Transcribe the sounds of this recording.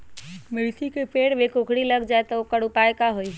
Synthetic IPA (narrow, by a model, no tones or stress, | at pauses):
mɪɭsʰikepeːɽʋekokʰɽiləɡd͡ʒaːet̪əokəɽʊpaekaɦoi